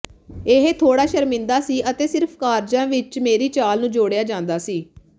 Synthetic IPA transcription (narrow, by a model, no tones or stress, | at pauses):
eɦet̪ʰoːɽaːʃəɾmɪ̃nd̪aːsiːʔət̪eːsɪɾpʰkaːɾd͡ʒãːʋɪt͡ʃmeːɾiːt͡ʃaːlnũːd͡ʒoːɽejaːd͡ʒãːnd̪aːsiː